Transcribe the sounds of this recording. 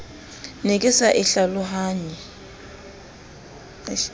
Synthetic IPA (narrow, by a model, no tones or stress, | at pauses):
nikʼɪsaʔɪɬalʊɦaːɲɛ